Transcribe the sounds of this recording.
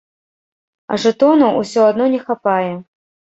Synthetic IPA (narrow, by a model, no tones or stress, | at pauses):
ɐ̰ʐɨt̪ɔnɐusʲɔad̪nɔnʲɛxapajɛ